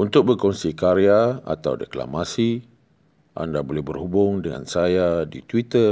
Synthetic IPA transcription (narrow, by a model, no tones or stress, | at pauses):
unt̪ʊk̚bərkɔnsikaɾiaa̰t̪a̰wdəkla̰masi | ʔa̰ndabolɛhbərhubʊŋdəŋa̰nsajadit̪wit̪ər